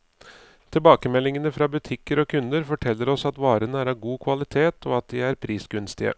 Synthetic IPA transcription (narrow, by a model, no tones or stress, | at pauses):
t̪ʰɪlbɑːkəmɛlːɪŋənəfɾɑbʉt̪ʰɪkːəɾɔkʰʉnd̪əɾfɔʈʰɛlːəɾɔsɑt̪ʋɑːɾənəæːɾɑːʋɡuːkʰʋɑlɪt̪ʰeːt̪ʰɔɑt̪̚d̪ɪæɾpʰɾiːsɡʉnst̪ɪə̰